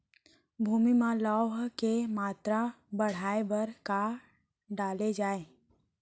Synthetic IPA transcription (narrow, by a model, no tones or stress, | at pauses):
bʱuːmimãlɔːɦkemaːt̪ɾa | bəɽ̤aːebəɾka | ɖaːled͡ʒaːeː